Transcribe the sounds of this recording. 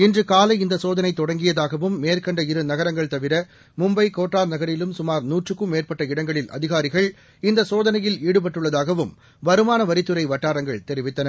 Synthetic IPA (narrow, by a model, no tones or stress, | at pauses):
ɪndrɯkaːlɐɪɪnd̪ɐsoːðɐnɐɪt̪ːɔɽɐŋɡɪjɐðaːɣɐʋɯmːeːrkɐɳɖɐɪɾɯnɐɣɐɾɐŋɡɐɭt̪ɐʋɪɾɐ | mʊmbɐɪkoːʈraːɾnɐɣɐɾɪlɯmsʊmaːɾnuːʈrɯkːɯmeːrpɐʈːɐɪɽɐŋɡɐɭɪlʔɐ̰ðɪɣaːɾɪɣɐɭ | ɪnd̪ɐsoːðɐnɐjɪliːɽɯp̬ɐʈːɯɭːɐðaːɣɐʋɯm | ʋɐɾɯmaːnɐʋɐɾɪt̪ːɯɾɐɪʋɐʈːaːɾɐŋɡɐɭt̪ɛɾɪʋɪt̪ːɐnɐ